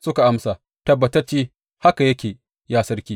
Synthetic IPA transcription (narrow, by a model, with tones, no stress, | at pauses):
sʊ˦ka˨ʔa˦msa˨ | tɐ˦bːɐ˨tɐ˦rt͡ʃeː˦ | ha˦ka˨jɐ˦kʲeː˨ | jaː˦sɐ˦rkʲiː˦